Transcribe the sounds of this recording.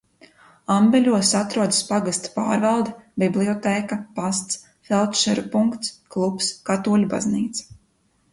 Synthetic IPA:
ambɛlʲuɔsat̪ɾuɔd̪aspaɡast̪pa̰ːɾvalˠd̪ɛbʲiblˠiɔt̪ɛːkapast̪s | fɛlˠt̪ʃɛɾupuŋkt̪sklˠupskat̪uɔlʲba̰znḭːt̪s

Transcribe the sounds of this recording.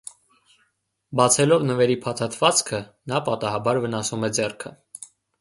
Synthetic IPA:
bɑt͡sʰɛlɔvnəvɛɾipʰɑt̪ʰɑt̪ʰvɑt͡skʰənɑpɑt̪ɑhɑbɑɾvənɑsumɛd͡zɛrkʰə

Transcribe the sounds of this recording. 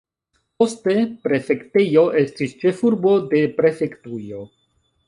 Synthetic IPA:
poste̞pɾe̞fekt̪ejoʔestist͡ʃe̞fuɾbo̞d̪e̞pɾe̞fektujo

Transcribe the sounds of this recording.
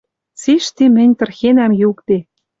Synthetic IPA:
t͡siʃt̪imɘ̆nʲt̪ɤ̆rxenæmjukt̪e

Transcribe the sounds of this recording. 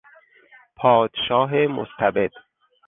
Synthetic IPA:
pʰɒːd̪̥ʃɒːɦemo̰st̪ʰæbed̪̥

